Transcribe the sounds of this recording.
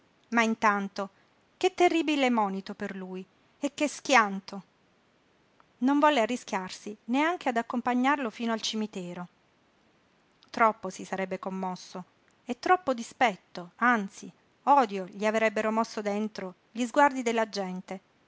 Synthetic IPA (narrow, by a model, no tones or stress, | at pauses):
maint̪ant̪o | k̟et̪ːerːiːbilɛmːɔːnit̪operluːj | ekːesk̟jant̪o | noɱvɔlːearːisk̟ʲjarsineaŋk̟ead̪akːompaɲːarlofiːnoalt͡ʃimit̪ɛːɾo | t̪ɾɔpːosisaɾɛbːekomːɔsːo | et̪ːɾɔpːod̪ispɛt̪ːoant̪si | ɔːd̪joʎiavɾɛbːeɾomɔsːod̪ent̪ɾo | ʎizɡward̪id̪elːad͡ʒɛnt̪e